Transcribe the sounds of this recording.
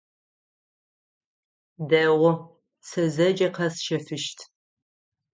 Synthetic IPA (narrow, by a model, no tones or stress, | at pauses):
dɐʁʷʊ | sɐzɐd͡ʒɐqʰɐsʃɐfɨʃtʰ